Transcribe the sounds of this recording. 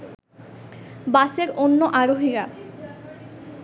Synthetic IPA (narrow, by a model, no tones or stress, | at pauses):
baseɾonːoʔaɾoɦiɾa